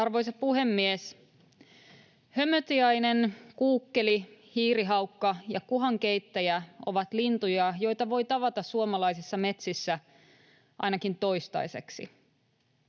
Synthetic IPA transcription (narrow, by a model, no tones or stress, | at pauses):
ɑrʋojs̬ɑpuɦe̞mːies | hø̞møt̪iɑjnenkuːkːe̞lihiːɾiɦɑwkːɑjɑkuɦɑŋke̞jt̪ːæjæoʋɑt̪lint̪ujɑjo̞jt̪ɑʋo̞jt̪ɑʋɑt̪ɑssuomɑlɑjsisːɑme̞t̪sisːæ | ʔɑ̰jnɑkint̪o̞jst̪ɑ̰jse̞̰ksḭ